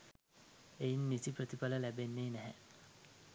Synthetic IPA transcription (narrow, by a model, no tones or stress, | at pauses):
ejinːisiprət̪ipaləlæbenːeːnæɦɛ̰